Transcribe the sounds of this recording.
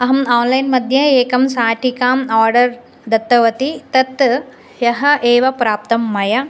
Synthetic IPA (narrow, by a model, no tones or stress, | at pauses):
ɐɦɐmaːnlɐjnmɐd̪ʱjɐeːkɐmsaːʈʰikaːmaːɾɖɐɾ | d̪ɐt̪ːɐʋɐt̪it̪ɐt̪ | jɐɦɐʔeːʋɐpɾaːp̚t̪ɐmːɐjɐ